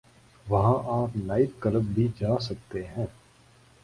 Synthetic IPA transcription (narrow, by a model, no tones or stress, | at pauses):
ʋɐɦãʔaːpnaːɪt̪̚kɐləbbʱid͡ʒaːsɐk̚t̪eɦɛ̃ː